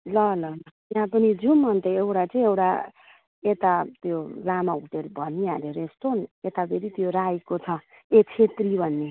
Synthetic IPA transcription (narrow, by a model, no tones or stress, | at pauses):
lʌlʌlʌt̪jɦãpʌnid͡zumːʌnt̪eewʈat͡sʌĩewʈa̰ | et̪at̪jolamaut̪elbʱʌniaɾeɾest̪onet̪abʰeɾit̪joɾajkot͡sʰʌet͡sʰet̪ribʱʌnːe